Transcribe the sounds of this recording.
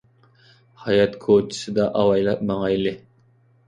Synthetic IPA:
hɑjɑt̪kʰot͡ʃʰi̥sɨd̪ɑʔɑwɑjlˠɑp̚mɑŋɑlɪ

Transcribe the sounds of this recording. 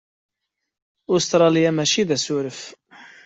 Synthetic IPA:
ʊst̪ɾˤɑlijæmæʃiðæsuɾəf

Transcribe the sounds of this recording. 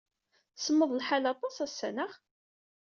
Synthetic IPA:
səmːəðˤlħalɑt̪ˤɑsæsːænəʁ

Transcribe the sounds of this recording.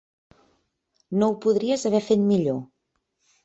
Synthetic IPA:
nouwpuðɾiəzəβɛfet̪miʎo

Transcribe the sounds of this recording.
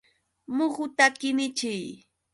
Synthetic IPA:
mʊχʊt̪akɪnɪt͡ʃɪj

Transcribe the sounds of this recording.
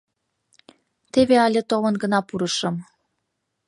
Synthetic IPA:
t̪eβeɑlʲet̪oβɤnɡə̆nɑpuɾɤʃɤ̆m

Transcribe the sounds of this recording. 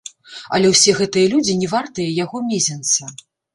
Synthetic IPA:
ɐ̰lʲɛwsʲɛɣɛt̪ɨjɐlʲud͡zʲinʲɛvart̪ɨjɐjaɣɔmʲezʲɛnt̪sɐ

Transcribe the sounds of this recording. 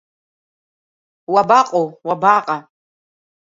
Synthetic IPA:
wabaqʼowabaːqʼa

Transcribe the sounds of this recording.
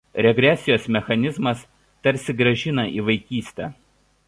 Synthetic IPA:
ɾʲɛɡɾʲɛsʲɪjoːsmʲɛxɐnʲɪzmɐs | t̪ɐɾʲsʲɪɡɾɐʒʲɪnɐʔiːʋɐɪkʲiːsʲt̪ʲɛ̰ːˑ

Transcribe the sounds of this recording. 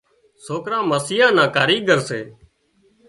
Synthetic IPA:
soːkɾãːməsiːãːnãːkaːɾiːɡʱəɾseː

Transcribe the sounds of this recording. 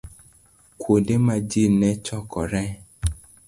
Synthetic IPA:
kʰʷwodemãd͡ʒinɛ̃t͡ʃɔkʰɔɾɛ

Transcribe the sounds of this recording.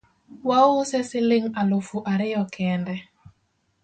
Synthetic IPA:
waʊsɛsɪlɪŋalʊfuʔaɾɪɔkʰɛndɛ

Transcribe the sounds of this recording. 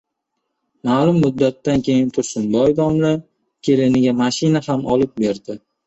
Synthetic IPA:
maːlʊmːʊd̪ːat̪ːankʲʰe̞jɪnt̪ʰʊɾsɪnbɒjd̪ɒmla | kʲʰe̞lɪnɪɡʲamaʃɪnahamʔɒlˠɪp̚be̞ɾd̪ɪ

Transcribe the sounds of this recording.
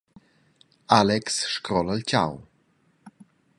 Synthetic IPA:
alɛksʃkɾɔləlt͡ɕa̰w

